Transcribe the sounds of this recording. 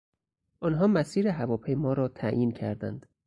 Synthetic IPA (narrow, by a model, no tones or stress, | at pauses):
ʔɒnɦɒːmæsiːɾeɦævɒːpʰejmɒːɾɒːt̪ʰæjiːncʰæɾd̪ænd̪̥